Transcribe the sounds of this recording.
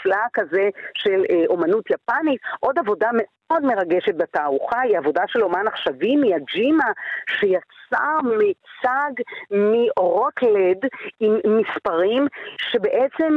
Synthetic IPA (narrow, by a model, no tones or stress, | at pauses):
flakazeʃe̞lʔo̞manut̪japanit̪ʔo̞davo̞dame̞ | o̞dme̞ʁaɡe̞ʃet̚betaːʁuχaiavo̞daʃe̞lo̞manaχʃavimijad͡ʒimaʃejat͡samit͡saɡmiʁotledimːispaʁimʃe̞be̞ʔet͡se̞m